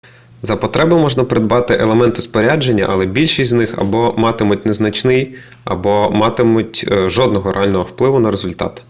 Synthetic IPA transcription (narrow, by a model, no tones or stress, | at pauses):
zɐpɔt̪ɾɛbʊmɔʒnɐpɾed̪̚bɑt̪ɪʔelˠemɛnt̪ʊspɔɾʲad͡ʒenʲːɐ̰ʔɐlˠɛbʲilʲʃisʲtʲznɪxɐ̰bɔmɑt̪ɪmʊt̚ʲneznɐt͡ʃnɪj | ɐ̰bɔmɑt̪ɪmʊtʲʒɔd̪̚nɔɦɔɾḛɑlʲnɔɦɔwplˠɪʋʊnɐɾezʊlʲt̪ɑ̰t̪